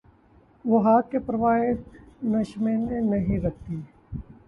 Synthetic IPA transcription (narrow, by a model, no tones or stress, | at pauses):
ʋoɦaːkːepɾɐʋaːɪnɐʃmenenɐɦĩɾɐk̚ʰt̪iː